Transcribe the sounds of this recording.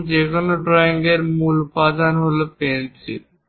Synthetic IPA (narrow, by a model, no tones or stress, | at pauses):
d͡ʒekʰonoɖɾɔiŋɡeɾmulpad̪anɦolopensʰḭ